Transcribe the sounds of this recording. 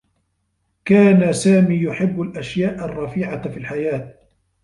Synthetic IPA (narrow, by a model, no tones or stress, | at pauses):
kaːnasaːmiːjʊħɪbːalʔaʃjaːʔarˤːɑfiːʕafiːlħajaːt̪̚